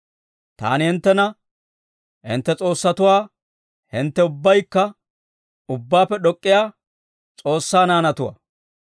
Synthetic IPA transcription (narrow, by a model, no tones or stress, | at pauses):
t̪a̰ːnɪhɪnt̪ːɛnɐ | hɪ̰nt̪ːɛt͡sʼo̞ːsːɐt̪ʊwaː | hɪnt̪ːɛʊbːɐjkːɐ | ʊbːaːpːɛɗɔkʼːɪjaː | t͡sʼo̞ːsːaːnaːnɐt̪ʊwɐ̰